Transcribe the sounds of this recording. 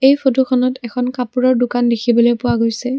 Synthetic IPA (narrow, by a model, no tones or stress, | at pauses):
ejpʰotukʰɔnɔtɛkʰɔnkapuɹɔɹdʊkandekʰibɔlojpʊwaɡojsɛ